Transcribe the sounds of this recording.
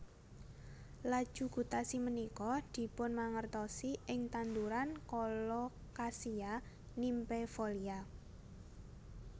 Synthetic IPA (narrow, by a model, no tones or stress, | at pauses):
lad̥ʒ̥ṳɡ̥ṳt̪asimənikɔd̪̥i̤pʊnmaŋərt̪ɔsiʔɪŋt̪and̪uɾankɔlɔ | kasia | nimpɛfolia